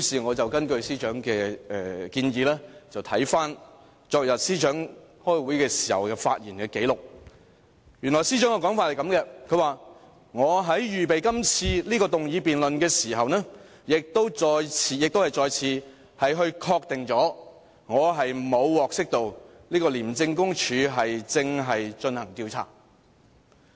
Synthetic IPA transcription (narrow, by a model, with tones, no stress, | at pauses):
i˨˥siː˨ŋɔː˨˧t͡sɐ˨wkɐ˥nkɵ˧ɥsiː˥t͡ʃœː˨˥ŋkɛː˧ɛ˨kiː˧njiː˨˧lɛː˥t͡sɐ˨wt̪ʰɐ˨˥jfaː˥n | t͡sɔː˧k̚jɐ˨p̚siː˥t͡ʃœː˨˥ŋ | hɔː˥jwuː˨˥jkɛː˧si̥ː˨˩hɐ˨wkɛː˧fa̰ː˧t̚jiː˨˩nkɛː˧ke˨˥jlʊ˨k̚ | jy˨˩nlɔː˨˩jsi˥t͡ʃœː˨˥ŋɔː˧˥kɔː˨˥ŋfaː˧t̚hɐ˨jkɐ˨˥mkɛ˧kʰɵ˨˧ɥwaː˨ | ŋɔː˨˧ɦɐ˨˥jjyː˨p̬e˨jkɐ˥mt͡sʰiː˧liː˥kɔː˧t̪ʊ˨ŋjiː˨˧piː˨nlɵ˨nkɛː˧siː˨˩ɦɐ˨wnɛː˥ | jɪ˨k̚t̪o˥wt͡sɔː˧jt͡sʰiː˨˧jɪ˨k̚t̪o˥whɐ˨jt͡sɔː˨jt͡sʰiː˨˧ | hɐ˨jɦɵ˧ɥkʰɔː˧k̚t̪ɪ˨ŋt͡sɔː˨˥ | ŋɔː˨˧ɦɐ˨jmo˨˧wwɔː˨k̚sɪ˥k̚t̪o˨˧w | liː˥kɔː˧liː˨˩mt͡sɪ˧ŋkʊ˥ŋt͡ʃʰyː˨˧ɦɐ˨jt͡sɪ˧ŋɦɐ˨jt͡ʃɵ˧nhɐ˨˩ŋt̪iː˧wt͡sʰa̰ː˨˩